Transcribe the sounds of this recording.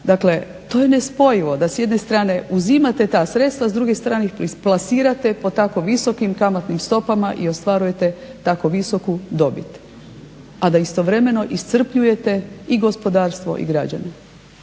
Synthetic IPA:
d̪akle̞ | t̪o̞ːje̞ne̞spo̞jiʋo̞d̪asjed̪ne̞st̪ɾaːne̞uzimat̪e̞t̪aːsɾe̞t̪st̪ʋazd̪ɾuɡest̪ɾaːniplasiːɾat̪e̞pot̪ako̞ʋiso̞kimkamat̪nimst̪o̞pamaʔio̞st̪ʋaːɾuje̞t̪e̞t̪ako̞ʋiso̞kud̪o̞bit̪ | ad̪aist̪o̞ʋɾe̞me̞no̞ʔist̪sr̩pʎuje̞t̪e̞iɡo̞spo̞d̪aːɾst̪ʋo̞̰ʔḭɡɾad͡ʑa̰ne

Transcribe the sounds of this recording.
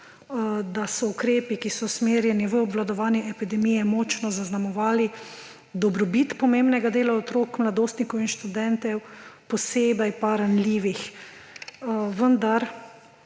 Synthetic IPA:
d̪asɔukɾeːpikisɔsmeːɾjɛniʋəɔbʋlad̪ɔʋaːnjɛʔɛpid̪ɛmijɛmɔːt͡ʃnɔzaznamɔʋaːli | d̪ɔbɾɔbit̪pɔmeːmbnɛɡad̪eːlaɔt̪ɾoːkmlad̪oːst̪nikɔwinʃt̪ud̪ɛnt̪ɛwpɔseːbɛjpaɾanliːʋix | ʋənd̪aɾ

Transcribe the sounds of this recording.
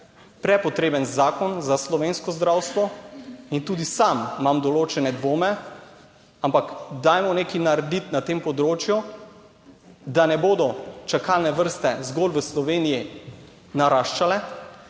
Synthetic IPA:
pɾɛpɔt̪ɾeːbənzaːkɔnzaslɔʋeːnskɔzd̪ɾawst̪ʋɔint̪uːd̪isamːamd̪ɔloːt͡ʃɛnɛd̪ʋoːmɛ | ampakd̪ajmɔnekinaɾɛd̪it̪nat̪empɔd̪ɾoːt͡ʃju | d̪anɛboːd̪ɔt͡ʃakalnɛʋəɾst̪ɛzɡolʋəslɔʋeːniji | naɾaːʃt͡ʃalɛ

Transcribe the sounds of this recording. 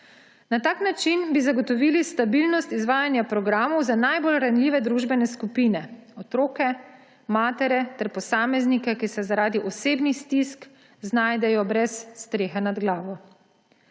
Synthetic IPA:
nat̪aːknat͡ʃinbizaɡɔt̪ɔʋiːlist̪abilnɔst̪izʋaːjanjapɾɔɡɾaːmɔwzanajbolɾanlʲiːʋɛd̪ɾuʒbɛnɛskupinɛɔt̪ɾoːkɛ | maːt̪ɛɾɛt̪ɛɾpɔsaːmɛznikɛkisɛzaɾaːd̪iʔɔseːbnist̪isk | znajd̪ɛjɔbɾɛsːt̪ɾeːxanad̪ɡlaːʋɔ

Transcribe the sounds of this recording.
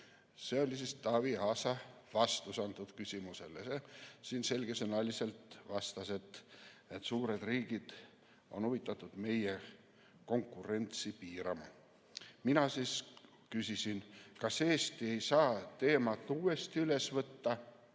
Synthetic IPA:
se̞o̞lʲisist̪ɑːviɑːsɑvɑst̪usɑnd̪ud̪̥kysʲimuse̞̰lsesiːnse̞lʲɡesenɑlʲise̞lt̪vɑst̪ɑse̞t̪ːet̪suːɾe̞d̪̥riːɡ̥id̪̥ | o̞nuvit̪ːˑɑt̪ːˑud̪̥me̞je | ko̞ŋkːˑure̞nt̪sipiːɾɑ̰mɑ | minɑsis | kysisinkɑseːst̪ie̞jsɑːt̪e̞ːmɑt̪ːuːe̞st̪iyle̞svɤt̪ːɑ

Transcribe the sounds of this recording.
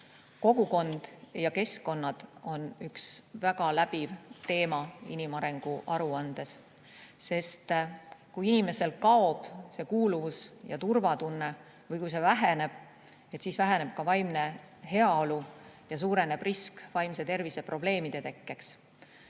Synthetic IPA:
ko̞ɡ̥uko̞nd̪̥jɑke̞sko̞nːɑd̪̥o̞nyksvæɡ̥ɑlæb̥ivt̪e̞ːmɑinimɑɾeŋɡ̥uʔɑɾuɑnd̪̥e̞sː | e̞st̪kujinime̞se̞lkɑo̞b̥se̞kuːluvusjɑt̪urvɑt̪unːe̞ | vɤjkujse̞væɦe̞ne̞b̥ | et̪siːsvæɦene̞b̥̚kɑvɑjmne̞ | ɦe̞ɑo̞lujɑs̬uːɾe̞ne̞b̥riskvɑjmse̞t̪e̞rvise̞pro̞b̥le̞ːmid̪̥e̞t̪e̞kːe̞ks

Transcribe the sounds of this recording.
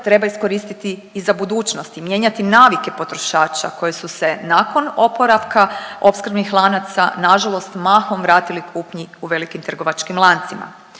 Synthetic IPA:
t̪ɾe̞baisko̞ɾiːst̪it̪iːzabud̪uːt͡ʃnost̪imje̞ːɲat̪inaːʋike̞po̞t̪ɾo̞ʃaːt͡ʃa̰ko̞jesuse̞nako̞no̞po̞ɾaʋkao̞pskr̩bnixlˠanat̪sa̰naʒalˠo̞st̪maːxo̞mʋɾaːt̪ilikʰuːpɲiuʋe̞likimt̪r̩ɡo̞ʋat͡ʃkimlˠant̪sima̰

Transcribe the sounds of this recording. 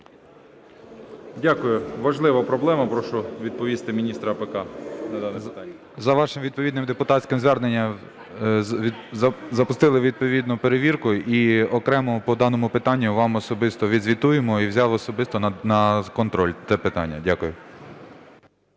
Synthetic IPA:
dʲakʊjʊʋɐʒlˠɪʋɐpɾɔblˠɛmɐpɾɔʃɔʋʲid̪̚pɔʋʲist̪ɪmʲinʲist̪ɾɐpekɑnɐd̪ɑnt̪ː | zɐʋɑʃɪmʋʲid̪pɔʋʲid̪nɪmd̪epʊt̪ɑtʲsʲkʲɪmzʋɛrnenʲːɐ | zɐpʊst̪ɪlˠɪʋʲid̪̚pɔʋʲid̪nʊpeɾeʋʲirkʊiɔkɾɛmɔpɔd̪ɑnɔmʊpɪt̪ɑnʲːʊʋɑmɔsɔbɪst̪ɔʋʲid̪zʲʋʲit̪ujemɔiwzʲɑʋɔsɔbɪst̪ɔnɐkɔnt̪ɾɔlʲt̪ɛpɪt̪ɑ̰nʲːɐdʲakʊjʊ

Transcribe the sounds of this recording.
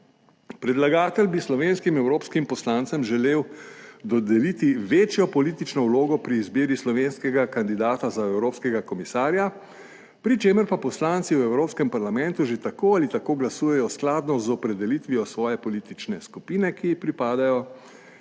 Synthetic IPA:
pɾɛd̪laɡaːt̪ɛlbislɔʋeːnskimɛwɾoːpskimpɔslaːnt̪sɛmʒɛleːwd̪ɔd̪ɛlit̪iʋeːt͡ʃjɔpɔlit̪it͡ʃnɔwloːɡɔpɾiːzbeːɾislɔʋeːnskɛɡakand̪id̪aːt̪azaɛwɾoːpskɛɡakɔmisaːɾja | pɾit͡ʃeːməɾpapɔslaːnt̪siwɛwɾoːpskɛmpaɾlamɛ̃nt̪uʒet̪akoːalit̪akoːɡlasuːjɛjɔsklaːd̪nɔzɔpɾɛd̪ɛlit̪ʋijɔsʋɔːjɛpɔliːt̪it͡ʃnɛskupiːnɛkiipɾipaːd̪ajɔ

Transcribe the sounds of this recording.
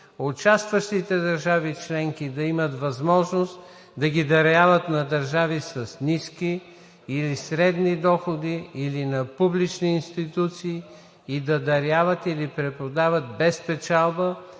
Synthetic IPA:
ot͡ʃast̪vəʃt̪it̪ɛd̪əɾʒavit͡ʃlɛŋkid̪ɐimət̪vɐzmɔʒnost̪ | d̪ɐɡid̪ɐɾavət̪nɐd̪ɐɾʒavisɐsniskiː | lisɾɛd̪nid̪ɔxod̪iːlinɐpublit͡ʃniːnst̪it̪ut̪siː | id̪ɐd̪ɐɾjavət̪ilipɾɛpod̪avət̪̚bɛspɛt͡ʃalˠbə

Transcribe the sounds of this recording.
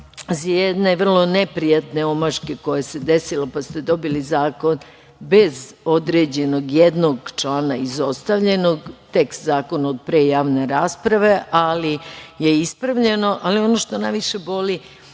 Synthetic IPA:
zajed̪ne̞ʋr̩lˠo̞nepɾijat̪ne̞o̞maʒkeko̞jese̞d̪esilopast̪e̞d̪o̞bilizaːko̞n | bezo̞d̪ɾeːd͡ʑe̞no̞ɡjed̪noɡt͡ʃlaːnaizo̞st̪aʋʎe̞no̞ɡt̪e̞kst̪zaːko̞naod̪̚pɾe̞ːjaːʋne̞ɾaːspɾaʋe̞ʔalije̞ispɾaʋʎeno̞ʔalio̞noʃt̪onajʋiʃe̞bo̞li

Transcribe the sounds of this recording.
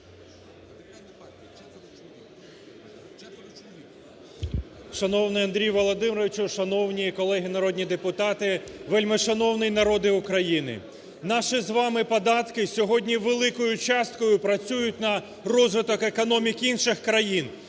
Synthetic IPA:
ʃɐnɔwnɪjɐnd̪ɾʲijʋɔlˠɔd̪ɪmɾɔʋʲɪt͡ʃuʃɐnɔwnʲikɔlˠɛɦɪnɐɾɔd̪ʲnʲid̪epʊt̪ɑt̪ɪʋelʲmeʃɐnɔwnɪjnɐɾɔd̪ɪʊkɾɐjinɪ̰ | nɑʃizʋɑmɪpɔd̪ɑt̪kɪsʲɔɦɔdʲnʲiʋelˠɪkɔjʊt͡ʃɑst̪̚kɔjʊpɾɐt͡sʲujʊt̚ʲnɐ | rɔzʋɪt̪ɔkekɔnɔmʲikinʃɪxkɾɐjin

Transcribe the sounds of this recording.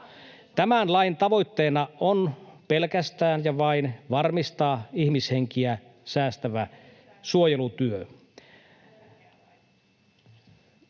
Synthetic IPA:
t̪æmænlɑint̪ɑʋoit̪ːeːnɑʔonpelkæst̪æːnjɑʋɑinʋɑrmist̪ɑːihmisheŋkiæ | sæːst̪æʋæ | suojelut̪yø

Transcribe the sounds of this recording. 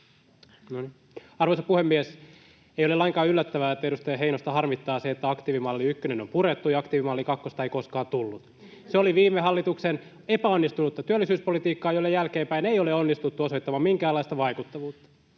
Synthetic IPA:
noni | ɑrʋoisɑpuhemːies | eijolelɑiŋkɑːylːæt̪ːæʋæːet̪ːæeɾust̪ɑjɑɦeinost̪ɑhɑrmit̪ːɑːseːt̪ːæɑkt̪iːʋimɑlːiykːønenompuɾet̪ːujɑɑkt̪iːʋimɑlːikɑkːost̪ɑeikoskɑːt̪ulːut̪ | seoliʋiːmːeɦɑlːit̪uksen | epæonːist̪unut̪ːɑt̪yølːisyːspolit̪iːkːɑːjoilːejælkeːmpæinejoleonːist̪ut̪ːuosoit̪ːɑmɑmiŋkæːlːɑist̪ɑʋɑikut̪ːɑʋuːt̪ːɑ̥

